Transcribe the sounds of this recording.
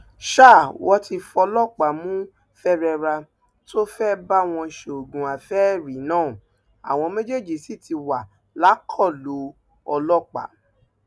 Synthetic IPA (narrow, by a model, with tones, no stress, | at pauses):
ʃa˦˨wɔ˦tʰi˧fɔ˧lɔ˦˨k͡pa˨mũ˦ | fɛ˦ɾɛ˧ɾa˧ | tʰo˦fɛ˦ba˦w̃ɔ̃˧˨ʃe˨o˨ɡũ˨a˨fɛ˦˨ɾi˨˦nãː˦˨ | a̰˨w̃ɔ̃˧me˦d͡ʒe˦˨d͡ʒi˦˨si˦˨ti˧wa˨ | la˨˦kʰɔ˦˨lo˨˦ | ɔ˧lɔ˦k͡pa̰˨